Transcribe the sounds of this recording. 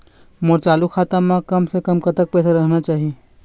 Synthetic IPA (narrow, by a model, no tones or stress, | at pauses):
moːɾt͡ʃaːlukʰaːt̪əmãkɐmsekəmkɐt̪ək̚pɛːsaɾɐɦnat͡ʃaːɦie